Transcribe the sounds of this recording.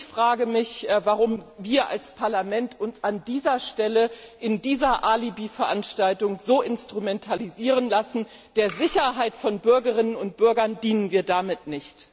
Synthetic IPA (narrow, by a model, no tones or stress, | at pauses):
çfʁ̥aːɡəmɪçvaʁʊmviːɐʔa̰lspʰaɐlamɛntʔʊnsandiːzɐʃtɛləʔɪndiːzɐʔalibiːfɛɐʔanʃtaltʊŋzoːʔɪnstʁ̥umɛntʰaliziːʁənlasn̩ | d̥eːɐzɪçɐɦaɪtfɔnbʏɐɡəʁɪnənʊnt̚b̥ʏɐɡɐndiːnənviːɐdamɪtnɪçt